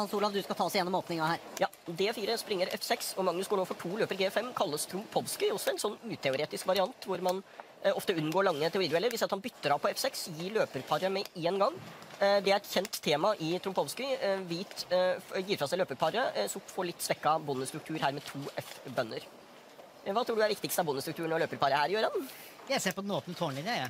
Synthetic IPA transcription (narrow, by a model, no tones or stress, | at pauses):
hɑnsuːlɑʋd̪ʉskɑt̪ʰɑːsɪjɛnːɔmoːpnɪŋhæːɾjɑːd̪eːfiːɾəspɾɪŋːəɾɛ̰fsɛksɔmɑŋnʉsɡuːɳoːfɔʈʰuːløːpəɾɡeːfɛmːkʰɑlːəst̪ʰɾʊmpʰɔʋskɪɔsːɔɛnsɔnːʉːt̪ʰɛʊɾeːt̪ɪskʋɑɾɪɑnt̪ʋʊɾmɑn | ɔft̪əʉnːɡoːɭɑŋːət̪ʰɛʊɾiːd̪ʉɛlːəɾʋɪsɑt̪hɑnbʏt̪ːəɾɑpʰɔɛfsɛksɔjiːɭøːpəɾpʰɑɾəmɛeːnɡɑŋːd̪ɛæɾɛt̪çɛnt̪ʰːeːmɑʔɪt̪ʰɾʊmpʰɔʋskɪʋiːt̪jiːɾfɾɑsæɪløːpəɾpʰɑɾəsɔmfoːɭɪt̪ːsʋɛkːɑbʊnːəst̪ɾʉkt̪ʰʉːɾhæːɾmɛt̪ʰuːʔɛfbœnːəɾ | ʋɑːt̪ɾuːɖdʉæɾʋɪkt̪ɪkst̪əɑbʊnːəst̪ɾʉkt̪ʉːɳɔɭøːpəɾpʰɑɾəhæːɾɪjøːɾɑn | jæɪseːɾpɔd̪ɛnoːt̪ənət̪ʰoːɳlɪnɑ